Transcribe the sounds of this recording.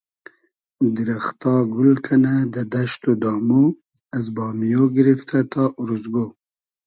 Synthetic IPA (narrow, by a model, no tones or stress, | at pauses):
d̪iɾaxt̪ɑɡʊlkʰanad̪əd̪aʃt̪od̪ɑːmo | azbɑːmjoɡiɾift̪ʰat̪ɑʔuɾuzɡo